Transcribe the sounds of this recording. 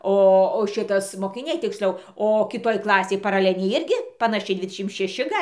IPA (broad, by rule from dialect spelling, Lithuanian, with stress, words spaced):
ˈoː oː ˈʃʲɪtɐs moːkʲɪˈnʲɛɪ tʲɪksʲˈlʲɛʊ oː kʲɪˈtoːj ˈklˠɑːsʲeːj pɐrɐˈlʲæːnʲeːj ˈɪrʲɡʲɪ pɐnɐˈʃʲɛɪ ˈdʲʋʲɪdʲɛʃʲɪm ʃʲɛˈʃʲɪ ˈɡɐlˠ